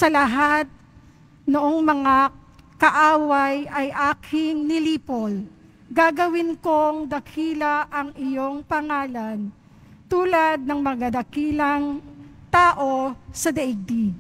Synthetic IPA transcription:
sɐlɐɦat̪̚ | noʔoŋmɐŋa | kɐʔaːwɐjɐjʔaːkʰɪŋnɪliːpol | ɡaɡɐwɪnko̞ŋd̪ɐkʰiːlɐʔɐŋɪjo̞ŋpɐŋaːlɐn | t̪uːlɐd̪̚nɐŋmɐɡɐd̪ɐkiːlɐŋt̪aːʔo̞sɐd̪ɛʔɪɡ̚d̪i

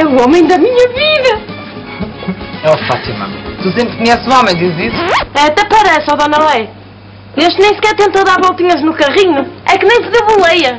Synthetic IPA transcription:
ɛuɔmɐ̃j̃d̪ɐmiɲɐviðɐ | ɛfa̰t̪imɐ̰mt̪usẽmpɾkuɲɛsũɔmɐ̃j̃d̪izisu̥ɛt̪ɛpɐɾɛsɔðɔnɐlˠɐj | eʃt̪nẽj̃sɨ̥kɛɾt̪ẽnt̪owðaɾβɔlˠt̪iɲɐʒnukɐʁiɲuɛkɨnẽj̃sɨðeβulˠejɐ

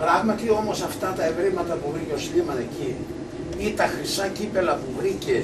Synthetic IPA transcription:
pɾɐɣmɐt̪io̞mo̞sɐft̪ɐt̪ɐevɾimɐt̪ɐpuvɾiceoslimɐt̪eci | it̪ɐxɾisɐcipe̞lɐpuvɾice

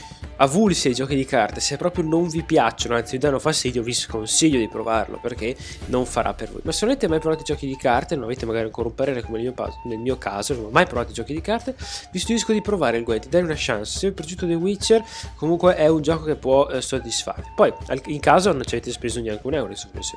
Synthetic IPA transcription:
avulsiajd͡ʒɔːkid̪ikart̪esepːɾɔːpɾjonoɱvipjat͡ʃːonoant̪simid̪anːofast̪iːd̪joviskonsiʎːod̪ipɾo̰va̰rlo̰perke | noɱfa̰ɾʔa̰pːervo̰jmasenoaveːt̪emajpɾovaːt̪id͡ʒɔːkid̪ikʰart̪enonaveːt̪emaɡaːɾiaŋkoːɾaumpaɾeːɾekomelmiːopa̰znelmiːokʰa̰ːzononɔmajpɾovat̪oid͡ʒɔːkid̪ikart̪evist̪uiskod̪ipɾovaːɾelɡwɛd̪id̪ajunaʃa̰nse̥seoilpɾed͡ʒuːt̪ːod̪ewit͡ʃːerkomuŋkweʔɛund͡ʒɔːkokepːwɔsod̪ːisfa̰rvipɔja̰liŋkaːzonont͡ʃaveːt̪espezoneaŋkunɛuɾasokmḛso

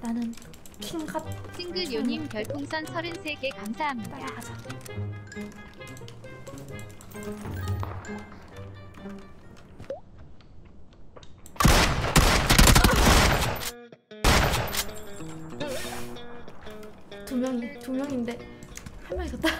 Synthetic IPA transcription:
nanɯn | kʰimɡap̚sʰiŋɡɯɾjʌɲimkjʌɭtʰoŋsʰʌnsʰʌɾinsʰeɡe̞kamsʰaɦamɲida | tumjʌŋtumjʌŋinde̞ | hanmʌɭtʌt͈a

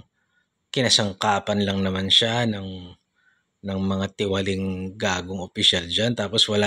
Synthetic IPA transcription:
kɪnɐsɐŋkaːpɐnlɐŋnɐmanʃanɐŋ | nɐŋmɐŋat̪ɪwɐlɪŋɡaːɡoŋopɪʃald͡ʒant̪aːpo̞swɐla

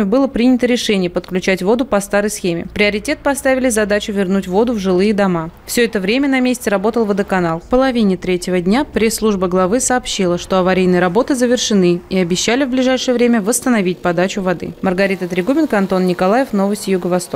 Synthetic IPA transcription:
ɪbɨlˠəpɾʲinʲɪt̪əɾʲɪʂɛnʲɪjəpət̪klʲʉt͡ɕætʲvo̞d̪ʊpɐst̪aɾəjsxʲemʲɪ̰pɾʲɪɐɾʲɪtʲe̞t̪̚pɐst̪avʲɪlʲɪzɐd̪at͡ɕʊvʲɪrnutʲvo̞d̪ʊvʐɨlˠɨjəd̪ɐmafsʲɵɛt̪əvɾʲemʲənɐmʲesʲtʲɪɾɐbo̞t̪əlˠvəd̪əkɐnalˠpəlˠɐvʲinʲɪt̪ɾʲetʲɪvədʲnʲapɾʲesːlˠuʐbəɡlˠɐvɨsɐːpɕːilˠəʂt̪o̞ɐvɐɾʲejnɨjəɾɐbo̞t̪ɨzəvʲɪrʂɨnɨiɐbʲɪɕːælʲɪvblʲɪʐajʂɨjəvɾʲemʲəvəst̪ənɐvʲit̚ʲpɐd̪at͡ɕʊvɐd̪ɨ̰mərɡɐɾʲit̪ət̪ɾʲɪɡubʲɪnkəɐnt̪o̞nnʲɪkɐlˠajɪfno̞vəsʲtʲɪjʊɡəvɐst̪o

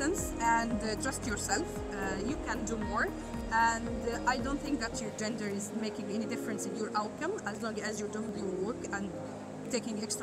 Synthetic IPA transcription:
ə̃ns | æ̃ndtɹʌstjɔɹsɛlf | jukæ̃ndumɔɹ | ʔæ̃ndʔajdõʊ̃nt̪θɪ̃ŋk̚ðætʰjɔɹd͡ʒɛ̃ndəɹɪzmeɪkɪ̃ŋɛnidɪfɹə̃nsɪ̃njɔːɹʔaʊt̚kʌ̃mæzlɔ̃ŋɡæzjɔɹduɪ̃ŋuwɜɹkæ̃n | teɪkɪ̃ŋɛkst

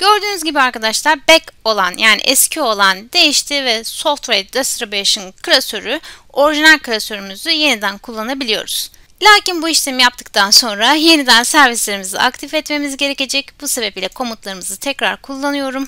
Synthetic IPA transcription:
ɟ̥ø̞ɾd̪yːnyzɟibiaɾkad̪aʃlˠaɾbɛko̞lˠanjʔaːnḭʔɛscʰio̞lˠand̪e̞jiʃt̪ʰivɛso̞ft̪vejd̪ɛst̪ɾabeʃɯnkʰɯlʲasøɾyo̞ɾiʒinalʲkʰɯlʲasøɾymyzyje̞nid̪ænkʰulˠːanabilʲijo̞̰ɾuz̥ | lʲaːcinbuiʃt̪ʰemjapt̪ʰɯ̥k̚t̪ʰanso̞nɾaje̞nid̪ænsæɾvislʲe̞ɾimizḭa̰kt̪ʰifɛt̪me̞mizɟe̞ɾe̞ce̞d͡ʒɛcb̥usebɛpilʲɛkʰo̞mut̪lˠaɾɯmɯzɯt̪ʰɛcɾaɾkʰulˠːanɯjo̞ɾum

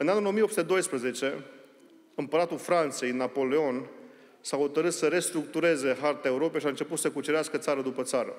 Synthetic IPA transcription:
ɨnanulo̞mijopsut̪e̞d̪o̞jspɾəze̞t͡ʃe̞ | ɨmpəɾat̪ulfɾant̪se̞jɨnːapo̞leo̞n | saho̞t̪əɾɨt̪səɾe̞st̪ɾuk̚t̪uɾe̞ze̞ɦart̪eaeuɾo̞pe̞jʃiaɨnt͡ʃe̞put̪səkut͡ʃeɾeaskət̪saɾəd̪upət̪saɾə̰

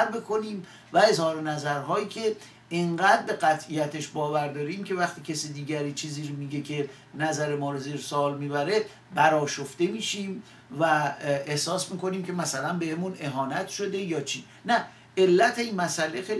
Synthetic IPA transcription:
ɾbekʰo̞niːm | væe̞zhɒːɾenæzæɾɦɒːiːcʰe̞ | eɴɢæːd̪̚be̞ɢæt̪ʰʔijæt̪ʰeʃbɒːvæɾd̪ɒːɾiːmcʰe̞væχt̪ʰiːcʲʰesid̪iːɟæɾiːt͡ʃʰiːziːɾmiːɟe̞cʰe̞ | næzæɾe̞mɒːɾoziːɾsoːlmiːbæɾe̞ | bæɾɒːʃofd̪e̞miːʃim | væehsɒːsmiːko̞niːmcʰe̞mæsælænbe̞hemune̞ɦɒːnæt̪ʃo̞d̪e̞jɒːt͡ʃʰiː | næ | elːæt̪ʰeinmæsæle̞xejl

